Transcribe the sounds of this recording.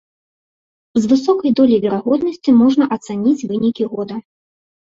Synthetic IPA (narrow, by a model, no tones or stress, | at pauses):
zvɨsɔkɐjd̪ɔlʲijvʲɛɾaɣɔd̪nɐsʲt͡sʲimɔʐnɐʔɐt̪sanʲit͡sʲvɨnʲikʲiɣɔd̪ɐ